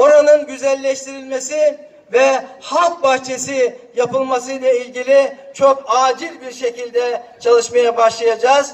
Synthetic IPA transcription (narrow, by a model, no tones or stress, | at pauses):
o̞ɾanɯnɟyzælʲːɛʃt̪ʰiɾilʲmesi | vɛhalˠk̚baht͡ʃʰe̞sijapɯlˠmasɯjlˠailʲɟilʲit͡ʃʰo̞kaːd͡ʒilʲbiɾʃe̞cilʲd̪ɛt͡ʃʰalˠɯʃmajabaʃlˠajad͡ʒaːz̥